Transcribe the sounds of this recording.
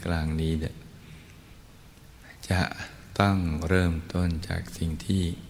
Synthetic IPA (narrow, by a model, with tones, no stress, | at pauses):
klaː˧ŋniː˦˥da˩ | t͡ɕa˨˩ʔ | t̪ɔ˥˩ŋɾɤː˥˩mt̪o˥˩nt͡ɕa̰ː˨˩k̚si˨˩ŋt̪ʰiː˥˩